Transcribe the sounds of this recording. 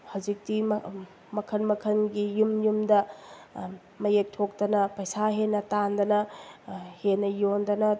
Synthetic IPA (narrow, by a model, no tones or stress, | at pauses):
hɐwzik̚ti | mɐkʰɐnmɐkʰɐnɡijumjumdɐ | mɐjek̚tʰok̚tɐnɐpɐjsaɦenːɐtandɐnɐ | henːɐjondɐnɐ